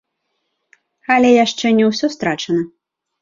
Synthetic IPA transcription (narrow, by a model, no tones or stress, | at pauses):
ɐlʲɛjaʂt͡ʂɛnʲɛwsʲɔst̪ɾat͡ʂɐnɐ